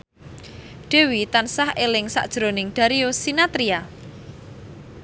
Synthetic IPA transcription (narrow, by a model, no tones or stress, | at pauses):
ɖ̥e̤wit̪ansahelɪŋsa̰ʔd̥ʒ̥ɾonɪŋɖ̪̥a̤ɾiosinat̪ɾia